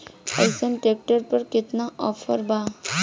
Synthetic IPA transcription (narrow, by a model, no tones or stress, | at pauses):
ə̰sənʈek̚ʈəɾpəɾkɪt̪naʔɔpʰəɾba